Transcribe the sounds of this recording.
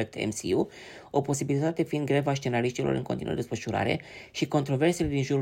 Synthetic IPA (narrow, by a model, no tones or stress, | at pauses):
k̚t̪ʰḛmsḭu | o̞po̞sibilit̪at̪e̞find̪̚ɡɾevaʃt͡ʃe̞naliʃt̪iloɾɨ̰ŋko̞nt̪inṵd̪esfəʃuɾa̰ɾe̞̰ʃiko̞nt̪ɾo̞ve̞rse̞led̪inʒuɾu